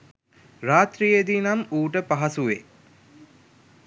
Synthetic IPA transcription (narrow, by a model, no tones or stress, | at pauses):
raːt̪ɾijed̪inamuːʈəpaɦasuʋe